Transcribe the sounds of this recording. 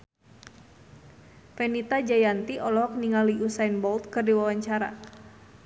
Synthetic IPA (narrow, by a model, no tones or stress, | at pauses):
fɛnit̪ad͡ʒajant̪iʔɔlɔɦɔk̚niŋaliʔusainbɔlt̪̚kɨrdiwawaɲt͡ʃaɾa̰